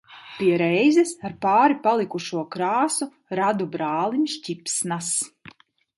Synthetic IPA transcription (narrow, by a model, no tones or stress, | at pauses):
pʲiɛɾɛjzɛsaɾpaːɾipalˠikuʃuɔkɾaːsu | ɾad̪ubɾaːlˠimʃcʲipsnas